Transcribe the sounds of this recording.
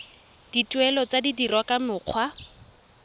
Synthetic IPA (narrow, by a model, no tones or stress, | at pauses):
d̥itʼwɛlɔt͡sadidirwakamʊːq͡χʰwa